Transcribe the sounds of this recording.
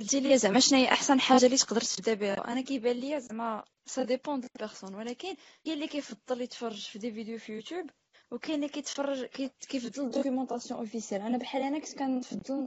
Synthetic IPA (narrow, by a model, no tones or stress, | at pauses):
d̪iljæzæmæʃnæjʔaħsænħaʒːalit̪ə̥qd̪əɾt̪ə̥fd̪æbiɾæ̰ʔæ̰nækæjbælːijazæmːæ | sæd̪epɑ̃d̪əlpəɾsunwəlækən | ælːikæjfɑd̪ˤːəlit̪fɑrˤːəʒfid̪ivid̪ejufijut̪jub | wkælːikæt̪fɑrˤːʒkkæjfd̪ˤːəld̪okymɑ̃t̪ɑsjɔ̃ʔofisijælʕanæbħalænæki̥t̪kænfɑd̪ˤːəl